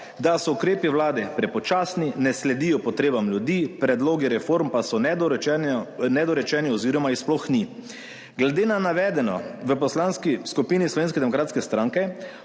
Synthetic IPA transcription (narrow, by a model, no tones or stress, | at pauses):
d̪asɔukɾeːpiwlaːd̪ɛpɾɛpɔt͡ʃaːsninɛslɛd̪iːjɔpɔt̪ɾeːbamlʲjud̪iːpɾɛd̪loːɡiɾɛfoɾmpasɔnɛɛnɛd̪ɔɾɛt͡ʃɛːniɔziːɾɔmaisplɔxni | ɡlɛd̪eːnanaʋɛːd̪ɛnɔ̰ʋəpɔslanskiskupiːnislɔʋeːnskɛd̪ɛmɔkɾaːt̪skɛst̪ɾãŋkɛ